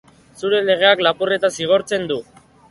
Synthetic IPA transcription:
suɾe̞le̞ɣ̞e̞aklapure̞t̪asiɣ̞o̞ɾt͡se̞nd̪u

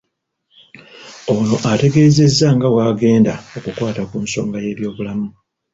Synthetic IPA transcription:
o̞noʔate̞ɡe̞ːze̞zːaŋɡawaːɡe̞ːndaokukwaːtakuːnso̞̰ːŋɡaje̞ːβjo̞ːβulamu

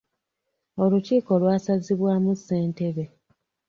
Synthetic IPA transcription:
o̞luciːko̞lwaːsaziβwaːmuse̞ːnte̞βe̞

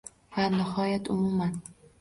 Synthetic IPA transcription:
vanɪhɒjat̪ʊmuman

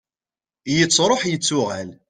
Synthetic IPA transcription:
jət͡sːɾˤoħjət͡sːʊʁæ̰l

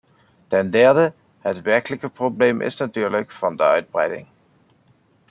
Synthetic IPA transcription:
tɛndɛɹdə | ətʋɛɹkələkəproblejmʔɪ̰snatyːɹləkfɑndəœ̰ɥd̚brɛ̰jdɪ̰ŋ

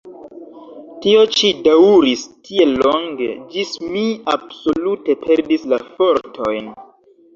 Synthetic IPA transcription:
tio̞t͡ʃidauɾistʰie̞lːoŋɡe̞̰d͡ʒismiab̥so̞lute̞pʰe̞ɾdislafo̞ɾtʰo̞jn

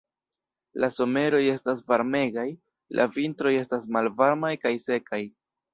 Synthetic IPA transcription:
laso̞me̞ɾo̞je̞stasvaɾme̞ɡaj | lʔa̰vintɾo̞je̞stasmalvaɾmajkajse̞kaj

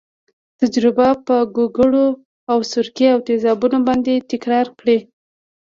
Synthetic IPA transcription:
t̪ad͡ʒɾɪbapəɡoɡəɽo | awsʊɾkeawt̪ezɑbunobɑnd̪et̪ɪkɾɑɾkɽi

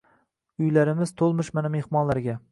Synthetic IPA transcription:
ʊjlaɾɪmɪz̥t̪ʰolˠmɪʃmaname̞hmɒnlaɾɡʲa

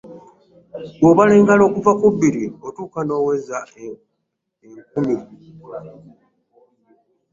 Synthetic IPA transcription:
wwoβale̞ːŋɡalo̞ːkuvakubːiɾiotuːkano̞ːwe̞za | eŋkumi

